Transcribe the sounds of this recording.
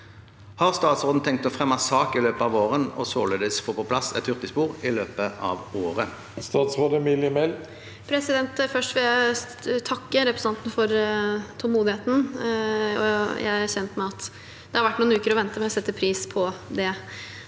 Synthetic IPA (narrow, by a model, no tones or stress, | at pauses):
hɑʁst̪ɑːt̪sʁoːd̪n̩t̪ʰɛŋk̚t̪ɔfʁɛmːɑsɑːkɪløːpəɑːʋoːʁənɔ̰soːleːd̪əsfoːpɔpʰlɑsɛ̰t̪hʉʁt̪ɪspuːʁɪløːpəʔɑ̰ːʋoːʁə | st̪ɑːt̪sʁoːd̪əmɪljəmɛl | pʰɾɛsɪd̪ɛnt̪fœʂʈʋɪljæɪ | t̪ʰɑkːəɾɛpɾəsnɑnt̪n̩fɔɾt̪ʰɔlˠmuːd̪ɪheːt̪n̩ | ɔjæ̰ɪæçɛnt̪mɛɑt̪ | d̪ɛhɑɾʋæʈːnuːnʉːkəɾɔʋɛnt̪əmɛɔsɛt̪ːəpʰɾiːspʰɔd̪ɛ